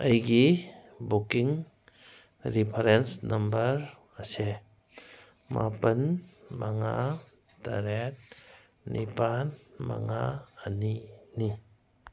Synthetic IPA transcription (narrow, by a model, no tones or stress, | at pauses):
əjɡi | bukiŋ | ɾipʰɐɾensnɐmbəɾ | əse | mʔa̰pɐnmaŋa | ta̰ɾet̚ | nʔipanma̰ŋaːnini